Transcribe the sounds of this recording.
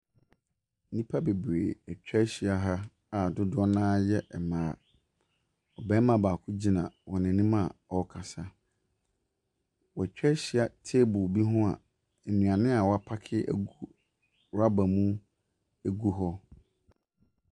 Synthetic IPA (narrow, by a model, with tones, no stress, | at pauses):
nĩ˦pʰa˦be˨bɾḛ˨ɛ˨t͡ɕᶣɛ˦ɕi˨a˦ɦa˦ | a˨dʊ˦dʊ˦ɔ˦nãː˦jɛ˦ʔɛ˨mãː˨˦ | ɔ˨bɛ̃˦m˦mã˨baː˨kʰʊ˦d͡ʑi˦nã˨wɔ˨nɪ̃˨nĩ˦mã˦˨ɔ˦kʰa˨sa˦ | wɔ˨æ˨t͡ɕᶣɛ˦ɕi˨a˨tʰe˦bʊ˨bi˦ɦʊ̃˦a̰˨ | nũ˨a˨nɪ̃˦a˨wɔ˨˦a˨pʰa˦kʰɪ˦ʔæ̰˦ɡu˦ | ɾa˦ba˨mũ˦ | æ˦ɡu˦ɦɔ˦